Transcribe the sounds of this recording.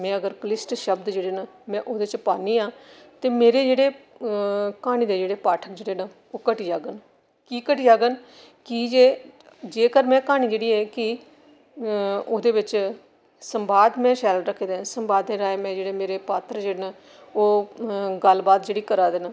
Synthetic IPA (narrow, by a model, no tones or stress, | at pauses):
mɛ̃ːəɡəɾkəlɪsʈʃəbd̪d͡ʒeːɽeːnaːmɛ̃ːʔoːd̪eːt͡ʃpaːniːãːt̪eːmeːɾeːd͡ʒeːɽeː | kaːñiːd̪eːd͡ʒeːɽeːpaːʈʰəkd͡ʒeːɽeːnaː | oːkəʈiːd͡ʒaːɡən | kiːkəʈiːd͡ʒaːɡən | kiːd͡ʒeː | d͡ʒeːkəɾmɛ̃ːkaːɽ̃iːd͡ʒeːɽiːɛːkɪ | oːd̪eːʋɪt͡ʃ | səmbaːd̪mɛ̃ːʃɛːlɾəkʰːeːd̪eːsəmbaːd̪ẽːɾaːeːmɛ̃ːd͡ʒeːɽeːmeːɾeːpaːt̪ʰɾd͡ʒeːɽeːnaː | oːɡəlbaːt̪d͡ʒeːɽiːkəɾaːd̪eːnaː